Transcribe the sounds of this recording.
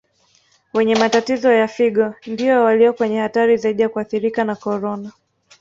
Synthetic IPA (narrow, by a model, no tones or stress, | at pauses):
wɛɲɛmatatizɔjafiɠɔndiɔwaliɔkwɛɲɛhataɾizaiɗijakuaθiɾikanakɔɾɔna